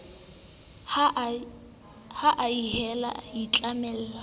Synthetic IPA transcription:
haʔaiɦɛla̰jit͡ɬʼamɛl̩ːla

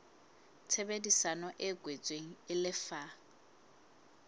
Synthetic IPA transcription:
t͡sʰebedisanɔʔɛɡwet͡sʼweŋ̩ɪlɪfa

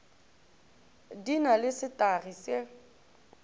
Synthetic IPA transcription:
dinalɪsɪtʼarise

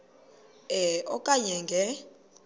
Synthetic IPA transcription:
ɛɔkʼaɲɛŋɡʱɛ

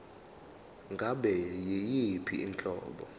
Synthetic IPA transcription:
ŋɡʱaɓɛjejipʰiint͡ɬʼɔ̰ːɓɔ

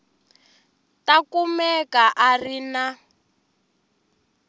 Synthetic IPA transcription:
takumɛkaʔarina

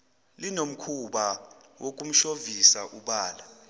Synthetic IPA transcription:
linom̩kʰuɓawʔok̬ʼum̩ʃovisaʔuɓaːla

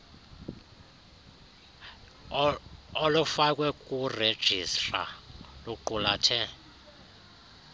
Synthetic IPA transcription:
olufak̬ʼwɛkʼured̥ʒ̥ʱistʼra̰luǃulatʰɛ

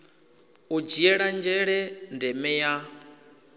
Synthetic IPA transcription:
ud͡ʒiɛɺand͡ʒɛɺɛndɛmɛja

